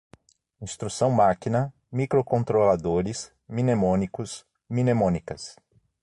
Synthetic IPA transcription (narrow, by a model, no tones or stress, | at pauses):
ĩst̪ɾusɐ̃w̃makinɐ | mikɾokõnt̪ɾolad̪oɾɪs | mĩnemõnikʊs | mĩnemõnikɐs